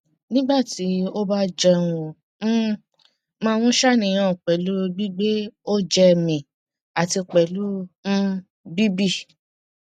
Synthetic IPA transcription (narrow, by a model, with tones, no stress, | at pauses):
nĩ˦ɡ͡ba˦˨ti˨˦o˦ba˦d͡ʒɛ˧w̃õ˧˦ | mãː˧w̃ɔ̃˦ʃa˦˨nĩ˨j̃ã˦˨k͡pɛ˨lu˦ɡ͡bi˦ɡ͡be˦o˦d͡ʒɛ˧˨mĩ˨ | a˨ti˧k͡pɛ˨lũ˨˦ | bi˦bi˦˨